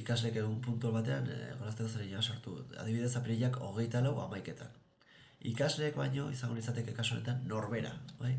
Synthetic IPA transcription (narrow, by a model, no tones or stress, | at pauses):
ikazle̞ːkeɣumpunt̪ualβat̪e̞anɣoɾast̪ekoseneɲasaɾt̪ua̰ðiβiðe̞sapɾiʎako̞ɣ̞e̞jt̪alawa̰majke̞t̪ʰa̰n | ikazle̞ːkβajɲo̞isaŋɡonisat̪e̞ke̞kasuonet̪anːo̞ɾβe̞ɾa̰βaj